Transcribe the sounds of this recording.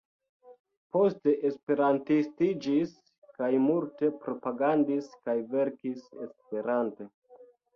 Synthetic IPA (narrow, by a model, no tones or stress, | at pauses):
po̞ste̞ʔespe̞ɾantistid͡ʒis | kajmulte̞pɾo̞paɡandiskajve̞ɾkise̞spe̞ɾante̞